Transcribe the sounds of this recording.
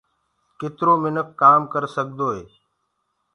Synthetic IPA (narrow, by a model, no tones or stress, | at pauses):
kɪt̪ɾoːmɪnəkːaːmkəɾsəɡ̚d̪oːɦeː